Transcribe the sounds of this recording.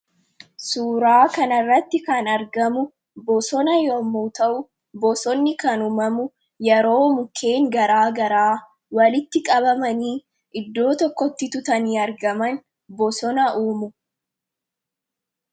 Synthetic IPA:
suːɾaːkɐnɐrːɐt̪ːɪkɐnɐɾɡɐmʊ | bɔsɔnɐjoːmːuːt̪ɐʔʊ | bɔsɔnːɪkɐnʊmɐmʊ | jɛɾo̞ːmʊkʰe̞ːŋɡɐɾaːɡɐɾaː | wɐlɪt̪ːɪkʼɐbɐmɐniː | ʔɪd̪ːo̞ːt̪ɔkːɔt̪ːɪt̪ʊt̪ɐniːɐɾɡɐmɐn | bɔsɔnɐʔuːmʊ

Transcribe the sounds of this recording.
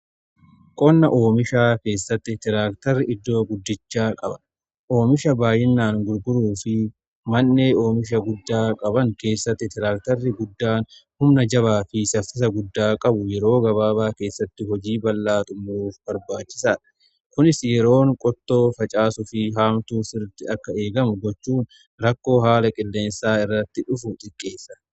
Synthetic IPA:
kʼɔnːɐʔoːmɪʃaːke̞ːsːɐt̪ːɪt̪ɪɾaːkt̪ɐrːɪʔɪd̪ːo̞ːɡʊd̪ːɪt͡ʃːaːkʼɐbɐ̥ | ʔoːmɪʃɐbaːjɪnːaːŋɡʊɾɡʊɾuːfɪ | mɐnːeːo̞ːmɪʃ̬ɐɡʊd̪ːaːkʼɐbɐŋke̞ːsːɐt̪ːɪt̪ɪɾaːk̚t̪ɐrːɪɡʊd̪ːaːnhʊmnɐd͡ʒɐβaːfɪsɐfːɪs̬ɐɡʊd̪ːaːkʼɐbʊjɛɾo̞ːɡɐβaːbaːke̞ːsːɐt̪ːɪhɔd͡ʒiːbɐlːaːt̪ʼʊmːuːfbɐɾbaːt͡ʃːɪ̥saːᶑɐ | kʊnɪsjɛɾo̞ːŋkʼɔt̪ːo̞ːfɐt͡ʃʼaːsʊfɪɦaːmt̪uːsɪɾd̪ɪɐkːɐe̞ːɡɐmʊɡɔt͡ʃːuːn | ɾɐkːo̞ːɦaːlɐkʼɪlːe̞ːnsaːɪrːɐt̪ːɪᶑʊfʊt̪ʼɪkʼːe̞ːsːɐ̥

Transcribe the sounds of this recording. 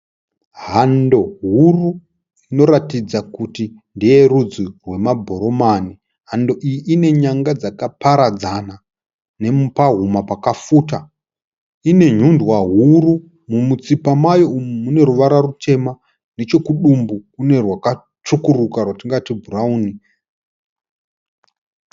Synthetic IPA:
ɦando̞ɦuru | ino̞ɾatid͡zakuti | ndije̞rud͡zirwe̞mabʱoɾo̞mani | ɦando̞ʔijiʔine̞ɲaŋɡad͡zakapaɾad͡zana | ne̞mupaɦumapakafuːta | ine̞ɲundwaɦuɾu | mumut͡sipamajoumumune̞ɾuʋaɾarutʰe̞ma | ne̞t͡ʃo̞kuɗumbukune̞rwaka | t͡ʂukurukarwatiŋɡatibʱurauːni

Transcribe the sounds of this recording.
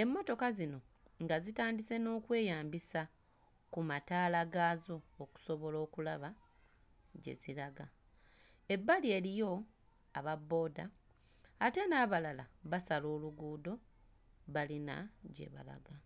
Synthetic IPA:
e̞mːo̞to̞kazino̞ | ŋɡazitaːndise̞no̞ːkwe̞ːjaːmbisa | kumataːlaɡaːzo̞ːku̥so̞βo̞lo̞ːkulaβa | ɟe̞̰zilaɡa | e̞bːalie̞ːlijo̞ | aβabːo̞ːdaː | te̞naːβalalaβasalo̞ːluɡuːdo̞ | βalina̰ɟe̞̰βa̰la̰ɡa

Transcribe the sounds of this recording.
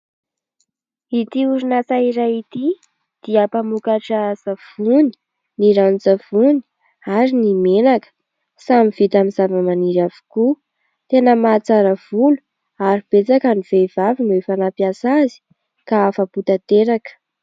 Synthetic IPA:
it̪iuɾinasaiɾajit̪i | d̪̥iəpamukaʈ͡ʂazav̥uni̥ | niɾand͡zav̥uni̥ | aɾinimenakə̥ | samiv̥it̪amizavəmaniɾavu̥ku | t̪enəmaːt͡saɾəv̥ulu̥ | aɾib̥et͡sakaniv̥ev̥avinuefanapiasazi̥ | kaafaput̪at̪eɾakə̥

